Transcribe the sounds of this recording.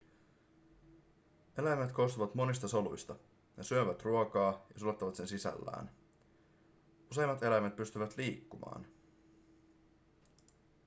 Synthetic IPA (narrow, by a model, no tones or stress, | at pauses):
e̞læjmæt̪ko̞st̪uʋɑt̪mo̞nist̪ɑso̞lṵjst̪ɑ | nesyøʋæt̪ruokɑːjɑsulot̪ːɑʋɑt̪se̞nsisæ̰lːæ̰ːn | use̞jmːɑt̪e̞læjmæt̪̚pyst̪yʋæt̪liːkːumɑ̰ːn